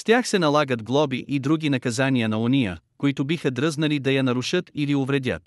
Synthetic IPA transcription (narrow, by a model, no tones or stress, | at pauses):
st̪ʲaxsɛnɐlˠaɡəd̪ɡlˠɔbiʔid̪ɾuɡʲinɐkɐzanijənɐonijəkoit̪ʊbixəd̪ɾəznɐlid̪ɐjɐnɐɾuʃət̪iliʊvɾɛd̪ʲə̰t̪